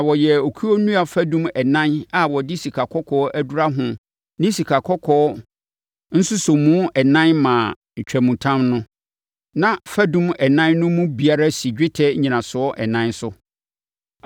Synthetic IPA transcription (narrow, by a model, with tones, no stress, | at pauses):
a˨wɔ˨jɛ˨o˨kʰu˦o˦nũ˦a˨fæ˦dũ˦mɛ˨nã˦na˨wɔ˨dɪ˦si˨kʰa˨kʰɔ˦kʰɔː˦ʔæ˦du˦ɾa˦ɦʊ̃˦ | nɪ̃˦si˨kʰa˨kʰɔ˦kʰɔː˦ | n̩˦sʊ˦sʊ˨mũ˦ɛ˨nã˦nmã˨ | ɲ̩˨t͡ɕᶣæ˨mũ˨tʰã˦mnʊ̃˦ | nã˦fæ˦dũ˦mɛ˨nã˦nːʊ̃˦mũ˦bi˨a˦ɾa˦si˨d͡ʑᶣɪ˦tʰɛ˦ɲĩ˨nã˨sʊ˨ɔ˦ʔɛ˨nã˦nsʊ˦